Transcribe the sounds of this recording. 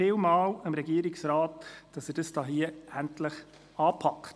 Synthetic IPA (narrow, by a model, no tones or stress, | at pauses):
ɪlmɑːləmɾɛɡiːɾɪksɾaːtd̥ɑsɛɾd̥əsd̥ɑːɦiəʔæntləχ | ɑːpʰɑkχt